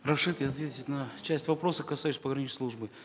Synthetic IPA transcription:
rɐʂɨt̪ɪɐt̪vʲetʲɪtʲnɐt͡ɕæsʲtʲvɐpɾo̞səkɐsajɕʲɪsʲpəɡɾɐnʲinslˠuʐbɨ

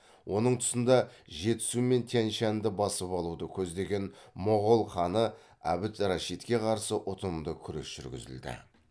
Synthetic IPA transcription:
wʔo̞nəɴt̪ʰʊ̥sənd̪ɑʒe̞t̪ɪ̥sume̞nt̪ʰænʃænd̪ɪbɑsəpɑlˠud̪əkʲʰɵzd̪e̞ɡʲe̞nmʊʁolˠχɑnə | æ̰bɪt̪rɑʃit̪kʲe̞qʰɑɾsəʔʊt̪ʰəd̪əkʲʰʏɾḛsʒ̥ʏ̰ɾɡʲɪ̰zɪ̰ld̪ɪ̰

